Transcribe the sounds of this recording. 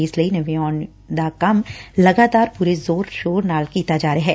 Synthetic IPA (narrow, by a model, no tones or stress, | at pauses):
ɪslɐinɐʋiɔːn | d̪akɐmlɐɡaːt̪aːɾpuːɾezoːɾʃoːɾnaːlkiːt̪ad͡ʒaːɾeɦɛː